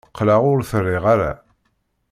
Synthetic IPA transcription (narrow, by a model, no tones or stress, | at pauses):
qːlaʁʊɾθərːiʁaɾæ̰